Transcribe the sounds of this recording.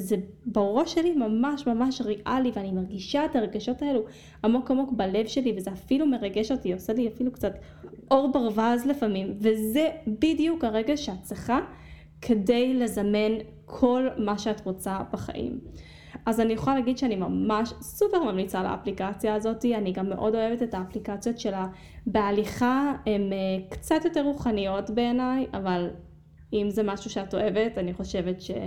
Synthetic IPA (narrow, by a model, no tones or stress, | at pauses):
ze | baʁo̞ʃelimamaʃmamaʃʁiʔaliveanimaʁɡiʃaetaeɡaʃo̞tae̞lu | amo̞kamo̞kbale̞vʃe̞livezeafilume̞ʁaɡe̞ʃotioseliafilukt͡sat | ʔo̞ʁbaʁvazlefamimvezebidijukaʁe̞ɡaʃeatt͡sleχa | kʰe̞de̞jle̞zame̞n | kʰo̞lmaʃeatʁot͡sab̥aχa̰ʔḭm | ʔazanijuχaleaɡidʃeanimamaʃsupeʁmamnit͡sala̰ːplikat͡sjaːzo̞tianiɡamːe̞ʔo̞do̞e̞vetetaːplikat͡sjo̞tʃe̞la | bealiχaemekt͡satjo̞teʁːuχanijo̞tbe̞ːnajʔaval | imzemaʃuʃeato̞e̞ve̞taniχo̞ʃe̞vetʃḛ